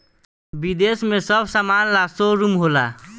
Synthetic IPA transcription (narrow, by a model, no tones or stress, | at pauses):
bid̪esmẽsəbʱsaːmaːnlasoɾumɦoːla̰ː